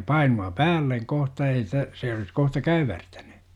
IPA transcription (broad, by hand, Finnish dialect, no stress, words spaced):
pɑinuɑ pæːlːeŋ kohtɑ ei sitæ se olis kohtɑ kæywærtæny